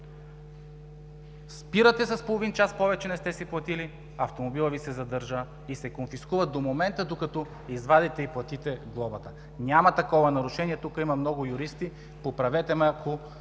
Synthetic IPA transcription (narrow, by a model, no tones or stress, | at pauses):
spiɾət̪ɛsɐspolˠovint͡ʃaspɔvɛt͡ʃɛnɛst̪ɛsiplˠɐt̪ili | ɐft̪omobilˠəvisɛzɐd̪ɤɾʒə | isɛkonfiskuvəd̪omomɛnt̪əd̪okɐt̪ɔ | izvad̪ɛt̪ɛiplˠɐt̪it̪ɛɡlˠɔbət̪ə | nʲamɐt̪ɐkɔvɐnɐɾʊʃɛniɛt̪ukəimɐmnɔɡʊjuɾist̪i | popɾɐvɛt̪ɛmɛakʰo